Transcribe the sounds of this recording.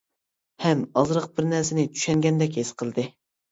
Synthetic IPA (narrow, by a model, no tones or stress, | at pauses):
hɛmɑzɾəq̚bɪɾnæɾsɪnɪt͡ʃ̪ʰy̥ʃɛŋɡʲɛnd̪ɛk̬ʲhesqʰəlˠd̪ɨ